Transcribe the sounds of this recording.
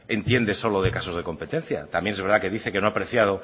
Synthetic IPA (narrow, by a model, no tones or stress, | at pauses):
e̞nt̪je̞nd̪e̞so̞loðe̞kaso̞zð̞e̞ko̞mpe̞t̪e̞n̟θja̰t̪amjenezβe̞ɾðake̞ðiθe̞kenoapɾe̞θjað̞o